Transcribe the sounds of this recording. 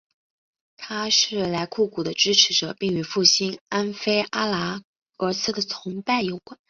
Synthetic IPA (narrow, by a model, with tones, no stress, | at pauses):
t̪ʰa˥ʂɻ̩˥˩la˧˥ɪkʰu˥˩ku˨˩d̪ə˦ʈ͡ʂɻ̩˥ʈ͡ʂʰɻ̩˧˥ʈ͡ʂɤ̰˨˩pi˥˩ŋy˧˥fu˥˩ɕi˥na˥nfe˥ɪʔa˥la˧˥ | ə˧˥sʰɹ̩˥˩d̪ə˨˩t͡sʰʊ˧˥ŋpa˥˩ɪjo˨˩ʊkwa˨˥˦n